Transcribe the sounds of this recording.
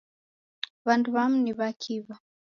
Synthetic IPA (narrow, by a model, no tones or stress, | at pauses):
βanduβam̩niβakʰiβa